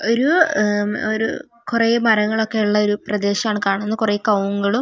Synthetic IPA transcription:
o̞ɾu | oɾṵ | kureːmɐɾɐŋːɐɭo̞kːe̞uɭːɐo̞ɾuprɐd̪e̞ːɕɐmaːɳɨkaːɳɐnːɨkureːkɐwuŋɡɐɭu

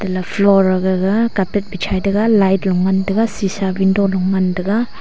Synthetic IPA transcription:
d̥ɐlapʰlɔɾɐɡaɡakapet̚bit͡ʃʰajdɐɡalajtlɔŋːandɐɡasisabindolɔŋːandɐɡa

